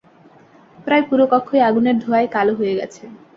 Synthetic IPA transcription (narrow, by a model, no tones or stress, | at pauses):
pɾaepuɾokɔkʰːojaɡuneɾd̪ʱoaekaloɦoeɡɛ̰t͡ɕʰe